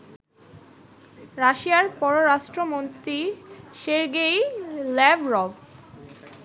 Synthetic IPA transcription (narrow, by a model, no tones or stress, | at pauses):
ɾaʃiaɾpɔɾoɾaʃʈɾomont̪ɾiʃeɾɡejlɛbɾɔb